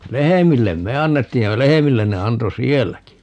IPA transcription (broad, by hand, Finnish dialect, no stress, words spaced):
lehemilːem me ɑnːetːiːj jɑ lehemilːen ne ɑnto sielːæki